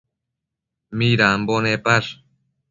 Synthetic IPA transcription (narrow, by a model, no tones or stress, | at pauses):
miɾambonepaɾ